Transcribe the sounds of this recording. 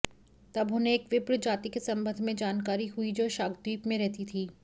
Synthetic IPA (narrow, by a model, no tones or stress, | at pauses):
t̪ɐbɦʊnẽːkʋɪpɾd͡ʒaːt̪ikesɐ̃mbə̃nd̪ʱmẽd͡ʒaːnkaːɾiɦuid͡ʒoːʃaːɡd̪iːpmẽɾɛɦt̪it̪ʰiː